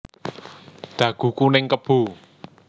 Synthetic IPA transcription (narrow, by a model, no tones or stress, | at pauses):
d̪̥ä̤ɡ̥ṳkunɪŋkəb̥ṳ